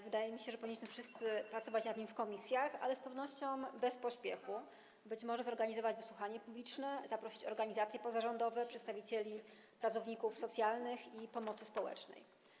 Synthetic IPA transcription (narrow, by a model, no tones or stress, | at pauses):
vɘd̪ajɛmʲiɕɛʐɛpɔvʲiɲːiɕmɘfʂɘst̪sɘpɾat̪sɔvat͡ɕnad̪ɲimfkɔmʲisʲjaxa̰lɛspɛvnɔɕt͡ɕɔ̃w̃bɛspɔɕpʲjɛxu | bɘt͡ɕmɔʐɛzɔɾɡaɲizɔvad͡ʑvɘswuxaɲɛpublʲit͡ʂnɛzapɾɔɕi̥t͡ɕɔ̰ɾɡaɲizat̪sʲjɛpɔzaʐɔnd̪ɔvɛpʂɛt̪st̪avʲit͡ɕelʲi | pɾat̪sɔvɲikufsɔt̪sʲjalnɘxipɔmɔt̪sɘspɔwɛ̰t͡ʂnɛ̰j